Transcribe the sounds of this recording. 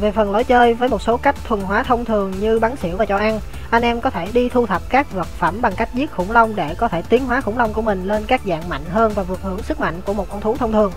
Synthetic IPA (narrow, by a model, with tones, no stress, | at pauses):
ve˨˩fə˨˩nlo˨˦jt͡ɕəː˧jvəː˨˦jmo˨˩t̚so˨˦ka˦˥jk̟̚t̪ʰwə˨˩nɦwaː˨˦t̪ʰə˧wŋ͡mt̪ʰɨ˨˩əŋɲɨ˧ɓa˨˦nsḭ˧˩əwvaː˨˩t͡ɕɔ˧˩ʔa˧n | ʔa˧jŋ̟ʔɛ˧mkɔ˨˦t̪ʰe˧˩ɗi˧t̪ʰu˧t̪ʰə˨˩p̚kaː˦˥k̚və˨˩t̚fə̰˧˩mɓa˨˩ŋka˦˥jk̚zi˦˥ət̚xʊ̰˧˩ŋ͡mlə˧wŋ͡mɗe˧˩kɔ˨˦t̪ʰe˧˩t̪i˨˦ənɦwaː˨˦xʊ˧˩ŋ͡mlə˧wŋ͡mku˧˩əmï˨˩ŋ̟le˧nkaː˦˥k̚za̰ː˧˨ŋma̰˧˨jŋ̟ɦəː˧nvaː˨˩vɨ˨˩ək̚hɨ̰˧˩əŋsɨ˦˥k̚ma̰˧˨jŋ̟ku˧˩əmo˨˩t̚kɔ˧wŋ͡mt̪u˨˦ŋ͡mt̪ʰə˧wŋ͡mt̪ʰɨ˨˩əŋ